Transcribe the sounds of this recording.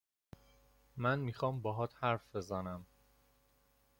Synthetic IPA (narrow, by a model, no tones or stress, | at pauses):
mænmiːxɒːmbɒːɦɒːt̪hæɾfbe̞zænæm